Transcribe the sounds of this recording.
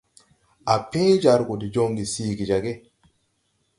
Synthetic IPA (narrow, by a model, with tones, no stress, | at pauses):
ʔa˨pe˦d͡ʒa˨ɾɡo˨di˨d͡ʒo˦ŋɡi˨siː˦ɡi˨d͡ʒa˨ɡe˦